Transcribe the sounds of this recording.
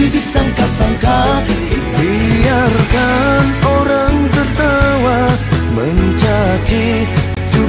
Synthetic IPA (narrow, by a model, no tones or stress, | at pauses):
ibisaŋkasaŋka | bijarkanoɾaŋt̪ərt̪awaməɲt͡ʃad͡ʒi | d͡ʒu